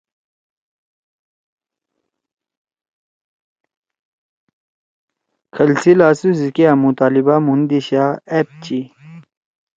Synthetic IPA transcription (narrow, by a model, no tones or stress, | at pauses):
kʰɐlsilaːsuzikeɐmut̪aːlibamund̪iɕaːep̚t͡ɕi